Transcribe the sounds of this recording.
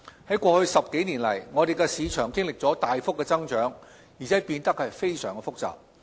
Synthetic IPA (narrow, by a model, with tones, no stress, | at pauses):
hɐ˨˥jkʷɔː˧hɵ˧ɥsɐ˨p̚ke˨˥jniː˨˩nlɐ˨˩jŋɔː˨˧ɾe˨jkɛ˧siː˨˧t͡ʃʰœː˨˩ŋkɪ˥ŋlɪ˨k̚t͡sɔː˨˥t̪aː˨jfʊ˥kːɛː˧t͡sɐ˥ŋt͡ʃœː˨˥ŋ | jiː˨˩t͡sʰɛː˨˥piː˧nt̪ɐ˥k̚hɐ˨jfe˥jsœː˨˩ŋkɛ˧fʊ˥k̚t͡sa̰ː˨˩p̚